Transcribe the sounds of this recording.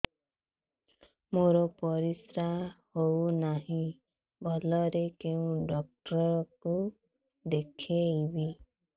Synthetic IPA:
moɾɔpɔɾisɾahownaɦĩ | bʱɔlɔɾekeũɖɔk̚ʈɾɔku | d̪ekʰeibi

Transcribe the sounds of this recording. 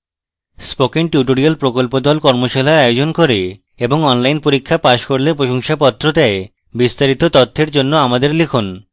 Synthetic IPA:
spokiŋʈjuʈoɾialpɾokolpod̪ɔlkɔɾmoʃalaɾajod͡ʑonkoɾe | eboŋɔnlajnpoɾikʰːapaʃkoɾlepɾoʃoŋʃapɔt̪ːɾot̪ae | bist̪aɾit̪ot̪ɔt̪ʰːeɾd͡ʑonːoamad̪eɾlekʰon

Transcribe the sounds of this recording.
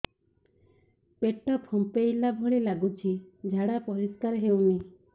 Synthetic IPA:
peʈːɔpʰɔmpejlabʱoɭilaɡut͡ʃʰid͡ʒʱaɽapɔɾiskaɾɦewni

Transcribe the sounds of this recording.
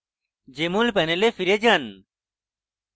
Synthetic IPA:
d͡ʑemulpɛnelefiɾed͡ʑɐn

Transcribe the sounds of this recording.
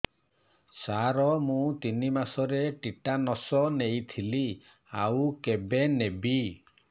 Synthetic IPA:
saɾɔmũt̪inimasɔɾeʈiʈanɔsɔnejt̪ʰili | awkebenebi

